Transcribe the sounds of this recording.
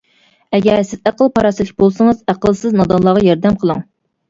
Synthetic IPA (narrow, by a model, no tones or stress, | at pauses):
ɛɡʲɛɾsɪzæqəlˠpʰɑɾɑsɨlɪkʲbolˠsɨŋəzæqəlˠsɨznɑd̪ɑnlˠːɑːʁɑjɑɾd̪ɛmqʰəlˠɨŋ